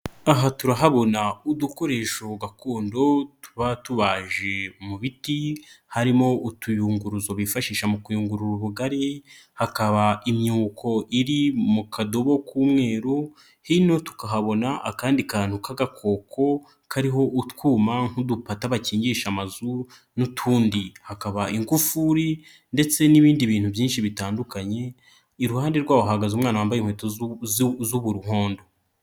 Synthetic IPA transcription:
aɦatuɾaɦaβo̞nauduko̞ɾe̞ːʃoɡakoːndo̞tu̥βatuβaʒe̞muβitihaɾimo̞utujuːŋɡuɾuzo̞βifaʃiːʃamukujuːŋɡuɾuɾuβuɡaɾe | hakaβaimɲuɡukʰo̞ʔiɾimukʰado̞βo̞kuːmŋe̞ːɾo | hino̞tu̥kaɦaβo̞naʔa̰kaːndikaːn̥hukaɡakʰo̞ːkʰo̞ | kʰaɾiɦo̞ʔutwuːmaŋ̥hudupataβaciːɲɟiʃamazu | nutʰuːndihakaβaiŋɡufuɾi | nde̞t͡se̞niβiːndiβiːn̥huvjiːnʃiβitaːndukaɲe̞ | iɾuhaːndeɾɡwaːwoɦaɡazuːmŋaːnawaːmbajim̥hweːto | zuβuɾuhoːndo

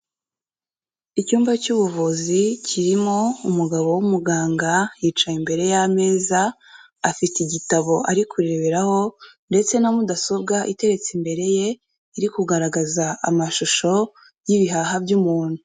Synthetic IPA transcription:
icuːmvacuβuvuzicʰiɾimo̞umuɡaβo̞wumuɡaːŋɡajiːt͡ʃajimbe̞ɾe̞jame̞ːza | afitiɟitaβo̞ʔaɾikʰuɾe̞βeɾaho̞nde̞t͡se̞namudaso̞bɡaʔite̞ɾe̞t͡simbe̞ɾe̞je̞ | iɾikuɡaɾaɡazaamaʃuʃo̞ | jiβiɦaɦabjumuːn̥hu

